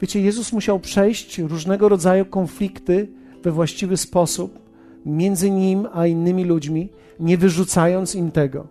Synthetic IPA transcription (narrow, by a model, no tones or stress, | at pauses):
vʲjet͡ɕɛjɛzusmuɕawpʂɛjɕt͡ɕɾuʐnɛɡɔɾɔd̪zajukɔnflʲikt̪ɘ | vɛvwaɕt͡ɕivɘspɔsup | mʲjɛnd̪zɘɲimainːɘmʲilud͡ʑmʲi | ɲɛvɘʐut̪sajɔnt̪simt̪ɛɡɔ̰